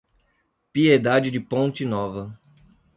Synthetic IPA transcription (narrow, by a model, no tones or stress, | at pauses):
pied̪ad͡ʒɪd͡ʒɪpõnt͡ʃɪnɔvɐ